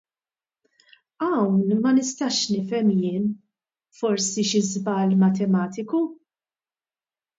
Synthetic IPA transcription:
ɐwnmɐnɪst̪ɐʃnɪfɛmjɪːn | fɔɾsiʃɪzbɐːlmɐt̪ɛmɐːt̪ɪku

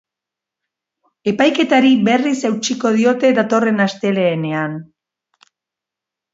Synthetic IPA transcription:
e̞pajke̞t̪aɾiβe̞risewt͡ʃiko̞ð̞io̞t̪e̞ðat̪o̞re̞nast̪e̞le̞ːne̞an

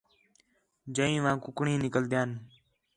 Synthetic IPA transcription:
d͡ʒəĩːʋãːkʊkɳĩːnɪkəld̪jãːn

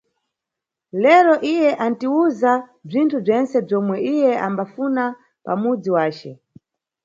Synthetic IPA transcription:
lɛɾɔʔijɛʔantiuzab͡ʐintʰub͡ʐɛnt͡sɛb͡ʐɔmwɛʔijɛʔa̰mbafuna | pa̰mud͡ziwaːt͡ʃɛ

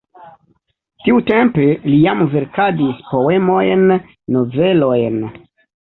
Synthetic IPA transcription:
tiute̞mpe̞lijamve̞ɾkadispo̞we̞mo̞jnː | o̞ve̞lo̞jn

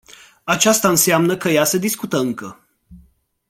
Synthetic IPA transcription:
at͡ʃast̪aɨnseamnəkəjase̞d̪iskut̪əɨŋkə

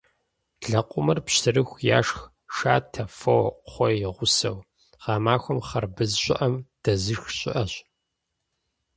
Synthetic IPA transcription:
ɮɐqʷʼʊmɐrpɕtʰɨrɨxʷja̰ːʂx | ʂaːtʰɐfɐwχʷɔjɪʁʷʊsɐ̰w | ʁ̥ɑːmaːxʷɔmχɐrbɨzɕʷʼɪ̰ʔɐmd̥ɐzɨxɕʼɪ̰ʔɐɕ

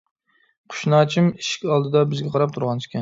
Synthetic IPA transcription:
qʰʊ̥ʃnɑt͡ʃʰɪmiʃɪ̥kʲɑlˠd̪ɨd̪ɑbɪzɡʲɛqʰɑɾɑp̚t̪ʰuɾʁɑnʃi̥kʲʰɛn

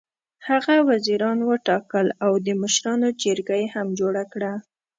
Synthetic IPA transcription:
haɣawaziɾɑnwəʈɑkəlawd̪əməʃɾɑnod͡ʒəɾɡajehamd͡ʒoɽakɽa

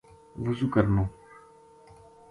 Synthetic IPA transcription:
ʋʊzuːkəɾnõː

